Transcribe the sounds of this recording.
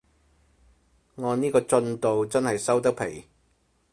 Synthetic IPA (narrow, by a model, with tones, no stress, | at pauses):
ŋɔː˨˧niː˥kɔː˧t͡ʃɵ˧nt̪o˨wt͡sɐ˥nhɐ˨jsɐ˥wt̪̬ɐ˥k̚pʰe˨˩j